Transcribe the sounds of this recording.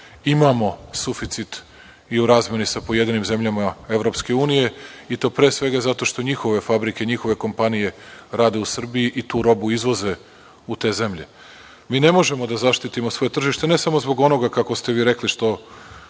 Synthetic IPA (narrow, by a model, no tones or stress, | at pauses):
imaːmo̞sufit̪sit̪ | iuɾaːzmje̞nisapo̞jed̪inimze̞mʎamae̞ʋɾo̞pske̞uːnije̞it̪o̞ːpɾeːsʋe̞ɡazat̪o̞ʃt̪o̞ɲixo̞ʋe̞fabɾike̞ɲixo̞ʋe̞ko̞mpanije̞ɾaːd̪e̞usr̩bijiʔit̪uːɾo̞buizʋo̞ze̞ | ut̪e̞ːze̞mʎe̞̰ | miːne̞mo̞ʒe̞mo̞d̪azaʃt̪it̪imo̞sʋo̞je̞t̪r̩ʒiʃt̪ene̞samozbo̞ɡo̞no̞ɡakako̞st̪e̞ʋiːɾe̞kliʃt̪o̞